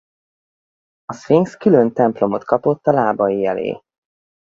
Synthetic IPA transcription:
ɒsfiŋskylø̞nt̪ɛmplo̞mo̞t̪kɒpo̞t̪ːɒlaːbɒjiɛlḛː

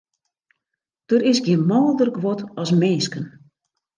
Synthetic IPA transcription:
d̥əɾɪsɡjɪnmɔːlˠdərɡʋɔtɔsmeːskən

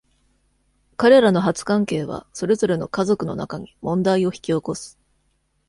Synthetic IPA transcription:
kaɾe̞ɾano̞ɦat͡sɨ̥kãŋke̞ːβ̞a̰so̞ɾe̞zo̞ɾe̞no̞kazo̞kɯ̟no̞̰na̰kaɲ̟imõ̞nd̪aio̞çi̥kʲio̞ko̞sɨ̥

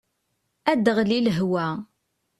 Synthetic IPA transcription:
æd̪əʁliləɦwæ

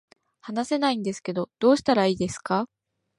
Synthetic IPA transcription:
hanase̞naĩnd̪e̞sɨ̥ke̞d̪o̞d̪̥o̞ːɕi̥t̪aɾaiːd̪e̞sɨ̥ka

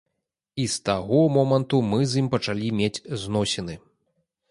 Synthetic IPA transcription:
ist̪aɣɔmɔmɐnt̪umɨzʲimpɐt͡ʂalʲimʲed͡zʲznɔsʲɛnɨ

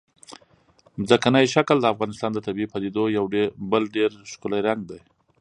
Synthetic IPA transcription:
mzakanəjʃakld̪əafɣɑnɪst̪ɑnd̪ət̪abiipad̪ed̪ojawɖbəlɖeɾʃkʊlajɾaŋɡ̚d̪aj

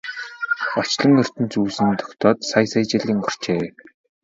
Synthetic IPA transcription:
ɔt͡ɕɮɞ̆ŋɵr̥t̪ɘ̆nt͡suːsɘ̆nt̪ʰɔ̥kt̪ɔːt̪sajsajt͡ɕɪ̆ɮʲiːŋɔr̥t͡ɕeː

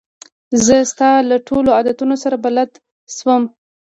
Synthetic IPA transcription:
zəst̪ɑlaʈʰoload̪at̪unosaɾabalad̪ | ʃwəm

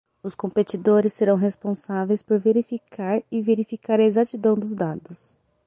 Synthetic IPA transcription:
ʊskõpet͡ʃid̪oɾɪsːeɾɐ̃w̃ɦespõsavejspoɾveɾifikʰaɾɪveɾifikaɾɐezat͡ʃid̪ɐ̃w̃d̪ʊzd̪ad̪ʊs

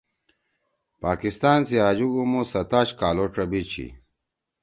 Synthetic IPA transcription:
paːkist̪aːnsiaːd͡ʑuɡumosɐt̪aːɕkaːloːʈ͡ʂɐbit͡ɕʰḭ

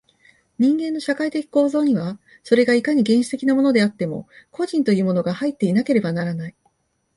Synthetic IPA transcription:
ɲ̟ĩŋɡẽ̞nːo̞ɕakait̪e̞kʲi̥ko̞ːzo̞ːɲ̟iβ̞a | so̞ɾe̞ɡaikaɲ̟iɡẽ̞ɰ̃ɕi̥t̪e̞kʲinamo̞no̞d̪e̞at̪ːe̞mo̞̰ko̞ʑĩnt̪o̞jɯ̟ːmo̞no̞ɡahait̪ːe̞inake̞ɾe̞banaɾanai

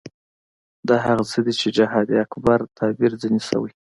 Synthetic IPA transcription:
d̪ɑɦaɣat͡səd̪it͡ʃed͡ʒaɦɑd̪iakbaɾt̪ʰɑbiɾd͡zənisa̰wəj

